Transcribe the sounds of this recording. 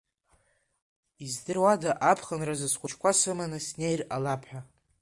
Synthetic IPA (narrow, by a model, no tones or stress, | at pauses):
izdɨrwadaʔapʰχənrazɨzχʷʊt͡ʃʰkʷasɨmanɨsne̞jralapʰħʷᶣa